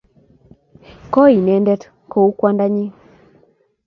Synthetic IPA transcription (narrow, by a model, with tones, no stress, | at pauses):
kɔ˦i˨nɛ˨ndɛ˦t | ko˦˨u˦kwa˦nda˦ɲi˦